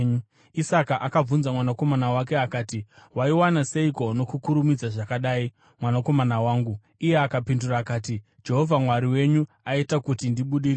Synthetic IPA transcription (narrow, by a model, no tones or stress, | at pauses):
isakaʔakab͡vunzamwanako̞manawake̞akaːtiwaiwanaseiko̞no̞kukuɾumid͡zaʐakaɗaːi | mwanako̞manawaːŋɡu | ije̞akapinduraːkaːti | d͡ʒe̞ɦo̞vʱamwaɾiwe̞ɲu | aitakutindiɓuɗiri